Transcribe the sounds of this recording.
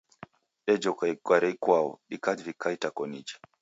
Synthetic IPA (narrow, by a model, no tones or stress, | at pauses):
ɗɛd͡ʒɔkaikwaɾɛikwaɔ̰ɗikadvikaitakɔnid͡ʒi̥